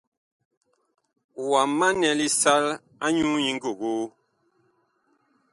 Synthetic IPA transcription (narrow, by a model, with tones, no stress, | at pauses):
wa˨ma˦nɛ˨li˦sa˦l | a˦ɲu˦ɲi˨ŋ̩˦ɡo˨ɣo˦